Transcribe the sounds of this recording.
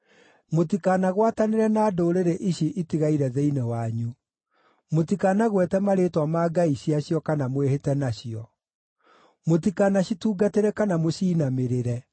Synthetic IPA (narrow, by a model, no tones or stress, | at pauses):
motikanaɣwataneɾɛnaːdoɾeɾeʔiɕiʔitiɣaiɾɛðeinewaɲu | motikanaɣwɛtɛmaɾetwamaːɡaiɕiaɕjɔkanamwehetɛnaɕiɔ | motikanaɕituːɡateɾɛkanamoɕiːnameɾeɾɛ